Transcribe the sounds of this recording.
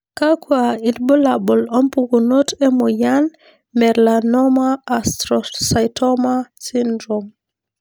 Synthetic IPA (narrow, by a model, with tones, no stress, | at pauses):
ka˦kwai˨tbɔ˦la˨bɔ˨lɔ˦mpu˨ku˨no˦tɛ˦mɔ˨ja˦n | mɛ˨ɾlanɔ˦maː˦stɾɔsa˨jtʰɔ˦ma˦sindɾɔm